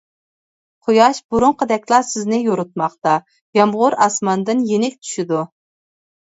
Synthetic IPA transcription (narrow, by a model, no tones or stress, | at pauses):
qʰojɑʃbuɾuɴqʰəd̪ɛkʲlˠɑsɪznɪjoɾut̪̚mɑχt̪ɑ | jɑmʁʊɾɑsmɑnd̪ɨnjenɪk̚ʲt̪ʰy̥ʃid̪u